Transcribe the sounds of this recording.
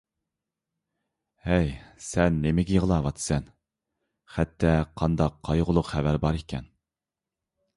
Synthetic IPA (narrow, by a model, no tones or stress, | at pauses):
hɛjsɛnːemɪɡʲɛjəʁəlˠɑwɑt̪ʰsɛn | χɛt̪ʰːɛqʰɑnd̪ɑqʰːɑjʁʊlˠʊqχævæɾbɑɾekʲʰɛ̰n